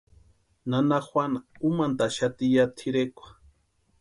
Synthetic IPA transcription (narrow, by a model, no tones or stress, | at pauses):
nanaxʷwanaumant̪aʃat̪ijat̪ʰiɾekʷḁ